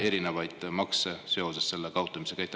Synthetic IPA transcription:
e̞ɾine̞vɑjd̪̥mɑksese̞o̞se̞sːe̞lːekɑwt̪ːˑɑmise̞kæjt̪ːˑ

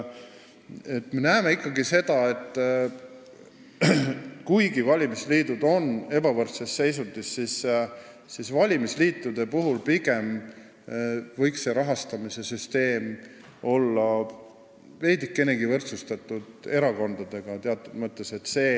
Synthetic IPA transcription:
e̞t̪ːme̞næeme̞ikːˑɑɡise̞d̪̥ɑe̞t̪ːˑ | kujɡivɑlʲimisliːd̪̥ud̪̥o̞ne̞bɑvɤrt̪sesːe̞js̬ud̪isːis | sisvɑlʲimisliːt̪ːˑud̪̥e̞puɦulpiɡ̥e̞m | vɤ̞jkse̞ɾɑɦɑst̪ɑmise̞syst̪e̞ːm | o̞lːɑ | ve̞ːd̪ikːe̞ne̞ɡivɤrt̪sust̪ɑt̪ːˑud̪̥e̞ɾɑko̞nd̪̥ɑd̪̥e̞ɡ̥ɑt̪eɑt̪ːˑud̪̥mɤt̪ˑːe̞se̞t̪ːse̞ː

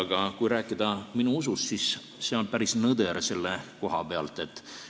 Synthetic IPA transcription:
ɡ̥ɑkujɾæːkːˑid̪̥ɑminuusust̪sis | seo̞npæɾisnɤd̪eɾse̞lːeko̞ɦɑpe̞ɑ̰lt̪ˑe̞t̪ːˑ

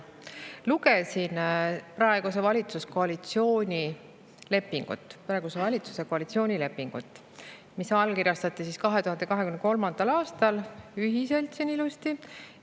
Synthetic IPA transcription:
luke̞sinpɾɑeɡ̥us̬e̞vɑlʲit̪susko̞ɑlit̪sio̞ːnʲi | le̞pːiŋɡ̥ṵt̪ːˑprɑe̞ɡ̥use̞vɑlʲit̪su̥se̞ko̞ɑlit̪sio̞ːnʲile̞pːiŋɡ̥ṵt̪ːˑ | misɑlkirjɑst̪ɑt̪ˑːisiskɑɦe̞t̪uhɑnd̪ekɑɦe̞kymneko̞lmɑnd̪̥ɑlɑːst̪ɑlyɦise̞lt̪sinilust̪i

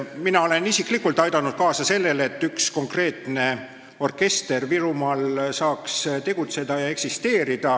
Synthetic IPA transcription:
minɑo̞le̞nisikˑlikult̪ːˑɑjd̪ɑnud̪̥̚kɑːsɑse̞lːe̞le̞t̪ːyksko̞ŋkre̞ːt̪ne̞ | o̞rke̞st̪e̞rviɾumɑːlsɑːkst̪e̞ɡ̥ut̪se̞d̪ɑjɑe̞ksist̪e̞ːɾid̪̥ɑ

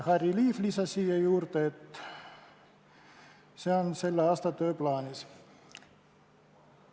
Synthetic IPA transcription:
hɑriliːflisɑsiːejuːrt̪t̪ | seɑnselːɑɑst̪ɑt̪øːplɑːnis

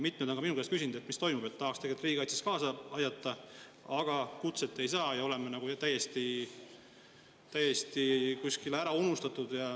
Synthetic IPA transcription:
mit̪ːˑmed̪oŋɡɑminukːst̪kys̬ʲind̪emist̪o̞jmub̥et̪ːɑɦɑkst̪eɡet̪riːɡɑjt̪si̥skɑːsɑɑjd̪ɑt̪ːˑɑ | ɑɡ̥ɑkut̪set̪ːˑe̞jsɑːjɑo̞le̞menɑɡ̥ut̪æjːe̞st̪i | t̪æje̞st̪ikusʲkileæɾɑunust̪ɑt̪ːˑud̪̥jɑ

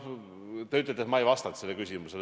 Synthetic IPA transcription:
t̪eyt̪̬ːˑlet̪esmɑejvɑst̪ɑt̪ːselːekysʲimusel

